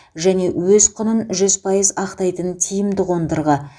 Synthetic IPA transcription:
ʒæne̞wɵzqʰʊnənʒʏzpʰɑjəzɑqt̪ɑjt̪ənt̪ʲʰijɪmd̪ɪʁond̪əɾʁə

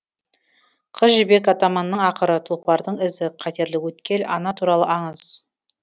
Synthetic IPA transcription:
qʰəzʒɪbe̞kɑt̪ɑmɑnːəɴɑqəɾət̪ʰʊlˠqɑɾd̪əɴɪzɪqʰɑt̪e̞ɾlɪkwɵt̪kʲe̞lʔɑ̰nɑt̪ʰuɾɑlˠəʔɑɴəz̥

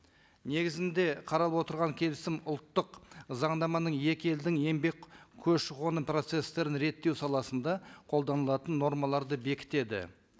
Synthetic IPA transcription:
ne̞ɡʲɪzɪnd̪e̞qʰɑɾɑlˠəpwo̞t̪əɾʁɑŋkʲʰe̞lɪsɪmʊlˠt̪ːəqzɑɴd̪ɑmɑnəɴje̞kʲe̞ld̪ɪŋe̞mbe̞kʲkʲʰɵzʃɪʁo̞nəpro̞t̪se̞st̪e̞ɾɪnɾe̞t̪ːe̞wsɑlˠɑsənd̪ɑqʰo̞lˠd̪ɑnəlˠɑt̪ənːo̞ɾmɑlˠɑɾd̪əbe̞kʲɪ̥t̪e̞d̪ɪ̰

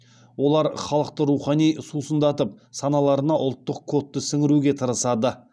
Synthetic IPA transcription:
wo̞lˠɑɾχɑlˠəqt̪əɾuχɑnijsusənd̪ɑt̪əp̚sɑnɑlˠɑɾənɑʔʊlˠt̪ːəqkʰo̞t̪ːəsɪŋɪɾuɡʲe̞t̪ʰəɾəsɑd̪ə

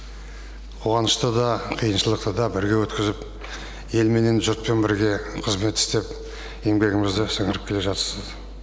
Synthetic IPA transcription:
qʰo̞ʁɑnəʃt̪əd̪ɑqʰijənʃəlˠəq̚t̪əd̪ɑbɪɾɡʲe̞wɵt̪kʲɪzɪp | je̞lme̞ne̞nʒʊɾt̪̚pe̞nbɪɾɡʲe̞qʰəzme̞t̪ːɪ̥st̪e̞p | je̞ŋbe̞ɡʲɪmɪzd̪ɪsəɴŋəɾəp̚kʰʲele̞ʒɑt̪əɾsəz

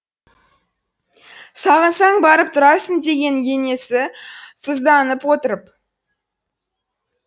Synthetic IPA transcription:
sɑʁənsɑɴbɑɾəp̚t̪ʰʊɾɑɾsənd̪e̞ɡʲe̞ŋje̞ne̞sɪsəzd̪ɑnəpwo̞t̪əɾəp

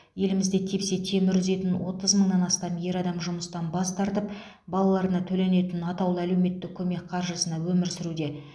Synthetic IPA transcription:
je̞lɪmɪzd̪e̞t̪ʰepse̞t̪ʰe̞mɪɾʒʏze̞t̪ɪnwo̞t̪əzməɴnɑnɑst̪ɑmje̞ɾɑd̪ɑmʒʊməst̪ɑnbɑst̪ɑɾt̪əp | bɑlˠɑlˠɑɾənɑt̪ʰɵle̞ne̞t̪ɪnɑt̪ɑwlˠəæle̞wme̞t̪ːɪk̚kʲʰːɵme̞k̚qʰɑɾʒəsənɑwɵmɪɾsɪɾud̪e̞

